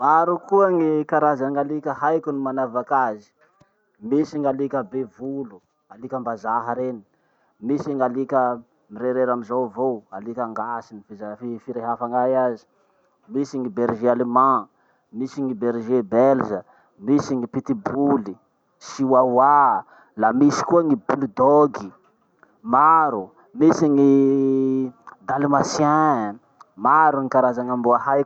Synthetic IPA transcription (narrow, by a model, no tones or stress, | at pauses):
maɾukuaŋikaɾazaŋalikʲəhajkunimanavakazi̥ | misiŋalikʲəbevulu | alikəmbazaɦaɾeni̥ | misiŋalikʲə | miɾeɾeɾamizowvowalikaŋɡasinifizafifiɾeɦafaŋajazi̥ | misiŋibeɾʒealemã | misiŋibeɾʒebelzə | misiŋipit̪ibuli | siwawa | lamisi̥kuaŋibulid̪oɡi | maɾu | misiŋi | d̪alimasa | maɾuŋikaɾazaŋambuaɦaj